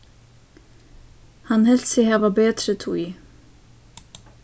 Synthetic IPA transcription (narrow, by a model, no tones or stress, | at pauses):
hanhɛl̥t̪sɪhaːvabeːt̪ɾət̪ʰui